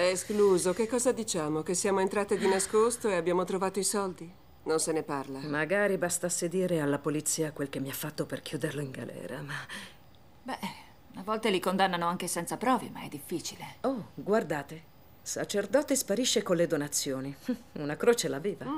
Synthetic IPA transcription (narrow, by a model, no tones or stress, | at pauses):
ɛskluːzokekːɔːzad̪it͡ʃaːmokesːjaːmoent̪ɾaːt̪ed̪inaskost̪oeabjaːmot̪ɾovaːt̪oisɔld̪i | nonseneparlamaɡaːɾibast̪asːed̪iːɾealːapolit̪sːiːakwelk̟emːiafːat̪ːoperkjuːd̪erloiŋɡalʔɛ̰ːɾama | bɛ | unavɔlt̪elikond̪anːanoaŋk̟esɛnt̪sapɾɔːvḛmaɛd̪ːifːiːt͡ʃileoɡward̪aːt̪e | sa̰t͡ʃerd̪ɔːt̪espaɾiʃːekonled̪onat̪sːjoːniunakɾoːt͡ʃelaviːva